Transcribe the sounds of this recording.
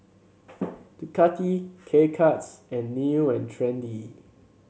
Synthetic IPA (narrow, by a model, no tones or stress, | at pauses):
tukʰatʰikʰekʰatsɛ̃nːiɛ̃ntʰɹɛ̃ndi